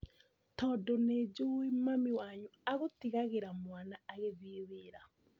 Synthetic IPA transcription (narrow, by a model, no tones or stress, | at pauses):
tɔːdɔned͡ʒoimamiwaɲuaɣotiɣaɣeɾamwanaːɣeðieweːɾa